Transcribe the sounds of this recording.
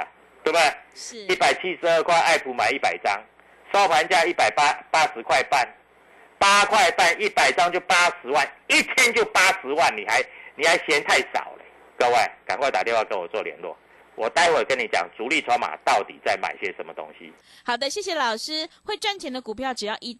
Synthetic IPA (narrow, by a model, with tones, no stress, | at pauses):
t̪we˥˩ɪbə˨˩i˥˩pa˨˩ɪt͡ɕʰi˦˥ʂɻ̩˧˦ə˥˧kʰwa˥˧ɪʔa˥˩ɪpʰu˧˥ma˨˩ɪi˥˩pa˨˩ɪt͡sɑ˦ŋ | sa˥ʊpʰa˧˦nt͡ɕja˥˧i˥˩pa˨˩ɪpa˦˥pa˦ʂɻ̩˧˦kʰwa˥˧ɪpa˥˨n | pa˦kʰwa˥˧ɪpa˥˧ni˥˩pa˨˩ɪt͡sɑ˦ŋt͡ɕjo˥˩ʊpa˥ʂɻ̩˧˦wa˥˨ni˥˨˩t͡ɕʰjɛ˦nt͡ɕjo˥˨ʊpa˥ʂɻ̩˧˦wa˥˨˩nni˨ha˧˦ɪnĩ˨˩ha˧˥ɪɕjɛ˧˦nt̪ʰa˥˩ɪsɑ̰˨˩ʊḛ˨˦ | kə˥˧we˥˩ɪka̰˨˩nkwa˥˩ɪt̪a˨t̪jɛ˥˧nwkə˧˦nwɔ˨˩t͡swɔ˥˨˩ljɛ̰˧˦nlwɔ̰˥˨ | wʔɔ˨˩t̪a˥˧ɪxwe˥˩kə˦nːi˨˩t͡ɕja̰˨˩ŋt͡su˧˦li˥˨t͡ɕʰɔ˧˦ʊma̰˨˩t̪ɑ˥˨˩ʊt̪ḭ˨˩t͡sa˥˩ɪma̰˨˩ɪɕɛ˧˦˩ʂə˨˦nmə˨t̪o̰˦ŋɕḭ˦ | xɑ˨˩ʊd̪ə˦ɕjɛ˥˩ɕjɛ˨˧lɑ˨˩ʊʂɻ̩˦xwe˥˧ɪʈ͡ʂa˥˩nt̪ʰjɛ˧˥nd̪ə˨ku˨˩pʰjɑ˥˨ʊʈ͡ʂ̩˨˩jɑ˥˧ʊʔi˥˩